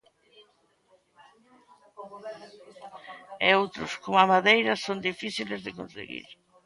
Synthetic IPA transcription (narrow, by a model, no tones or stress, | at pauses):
eowt̪ɾʊskomamaðejɾɐsond̪ifiθilezðɪkõnsḛɣḭɾ